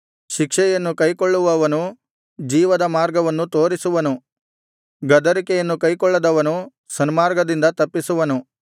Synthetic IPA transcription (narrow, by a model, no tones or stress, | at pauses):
ʃikʂɛjɐnːukɐjkoɭːuʋɐʋɐnu | d͡ʒiːʋɐd̪ɐmaːɾɡɐʋɐnːut̪o̞ːɾisuʋɐnu | ɡɐd̪ɐɾikɛjɐnːukɐjkɔɭːɐd̪ɐʋɐnu | sɐnmaːɾɡɐd̪ind̪ɐt̪ɐpːisuʋɐnu